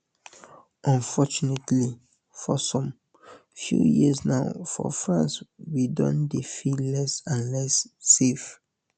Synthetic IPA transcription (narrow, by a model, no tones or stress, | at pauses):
ʔɔ̃nfɔt͡ʃunetli | fɔsɔ̃m | fjṵjḭsnaʊfɔ̰fɹãnswidɔ̰̃ndefilɛsãnlɛsːef